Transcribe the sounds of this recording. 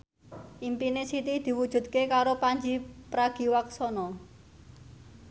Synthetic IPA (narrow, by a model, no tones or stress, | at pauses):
ʔimpinesit̪id̪̥i̤wud̥ʒ̥ṳd̪̥̚kekaɾopaɲd͡ʒipɾaɡ̥i̤waksɔnɔ